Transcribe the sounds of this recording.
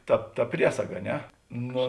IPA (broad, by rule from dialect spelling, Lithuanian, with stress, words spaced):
ˈtɐ ˈtɐ ˈpʲrʲiɛsɐɡɐ ɐ ˈnʲɛ ˈnoː